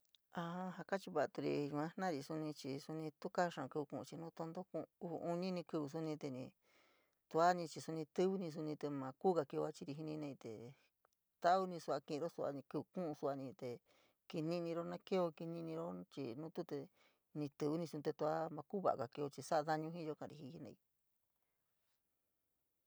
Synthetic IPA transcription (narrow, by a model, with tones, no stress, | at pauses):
a˧a˧ɦa˧ka˦t͡ʃi˧βa˧ʔt̪u˧ɾḭ˧u˧ã˦nã˦˧ɾi˧su˧nĩ˧t͡ʃi˧su˧nĩ˧t̪u˦ka˦ʂã˨˧kɨ˧βu˧kũ˧ʔṵ̃˧t͡ʃi˧nũː˦t̪o˧nd̪o˦kũ˧ṵ˧ʔu˧nĩ˦nĩ˧kɨ˧βu˧s̬u˦nĩ˧t̪e˧nĩ˧ | t̪u˧a˦nĩ˧t͡ʃi˧su˧nĩ˧t̪ɨ˦βu˦nĩ˧s̬u˧nĩ˧t̪e˧mã˧kuː˦ka˧ki˧o˧a˦t͡ʃi˧ɾi˧i˧nĩ˧nẽ˧i˧t̪ḛ˨ | t̪a˦u˧˦nĩ˧su˧a˧kĩ˧˨˧o˦su˧a̰˧nĩ˧kɨ˧βkũ˦ʔu˧su˧a˧nĩ˧t̪e˨ | ki˧nĩ˦nĩ˧ɾo˦nã˦ke˦o˧ki˧nĩ˧nĩ˧ɾo˦t͡ʃḭ˧˨nũː˦t̪u˦t̪e˧ | nĩ˧t̪ɨ˧βu˦nĩ˧sũ˧t̪e˧t̪u˧a˦mã˧kuː˦βa̰˧˨˧ka˨ke˧o˧t͡ʃi˧sa˦ʔa˧ða˦ɲũ˧ɦĩ˦jo˧kã˧˨ɾḭ˧hi˧hi˦nḛ̃˧˨i˧